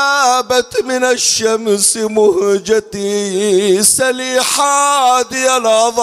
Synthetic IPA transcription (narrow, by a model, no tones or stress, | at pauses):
aːbat̪mɪnaʃːamsmʊhd͡ʒad̪i | saliːħad̪ɪjalɑðˤ